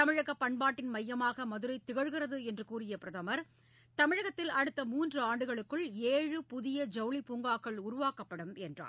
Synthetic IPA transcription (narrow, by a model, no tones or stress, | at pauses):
tt̪ɐmɪɻɐɣɐpːɐɳbaːʈːɪnmɐjːɐmaːɣɐmɐðɯɾɐɪt̪ːɪɣɐɻɣɪrɐðɯɛndrɯkuːrɪjɐpɪɾɐðɐmɐɾ | t̪ɐmɪɻɐɣɐt̪ːɪlɐɽɯt̪ːɐmuːndrɯaːɳɖɯɣɐɭɯkːɯɭeːɻɯpʊðɪjɐd͡ʒɐʋɭipuːŋɡaːkːɐɭʊɾʊʋaːkɐpːɐɽɯmɛndra̰ːɾ